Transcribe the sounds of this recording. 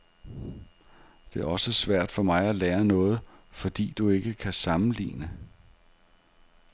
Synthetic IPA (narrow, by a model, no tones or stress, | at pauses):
d̥e̝æɐɒ̽səsʋæɐ̰d̥fɒ̽mɑ̈ɪæleːɐnɔ̽ːð̞̩ˠfɒ̽d̥ḭːd̥ue̝ɡ̥əkʰæsɑ̈mn̩lḭːnə